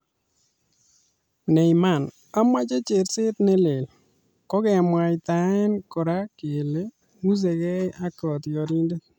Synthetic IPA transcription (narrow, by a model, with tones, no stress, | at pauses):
nɛ˨i˨ma˨n | a˦mwa˦t͡ʃe˦t͡ʃe˨ɾsɪ˦t̪ne˦le˨l | kɔ˦kɛ˨mwa˨ɪ˨t̪a˨ɪ˦nkɔ˨ɾa˦ke˨le˦ | ŋu˦s̬e˨kɛ˦ja˦kɔ˨tjɔ˨ɾi˦nde˦t̚